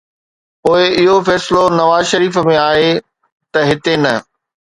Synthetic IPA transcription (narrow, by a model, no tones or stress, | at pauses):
poːɪɪɦofɛːsɪlonɐʋaːzʃɐɾiːfmẽaːɦe | t̪ɐɦɪt̪enɐ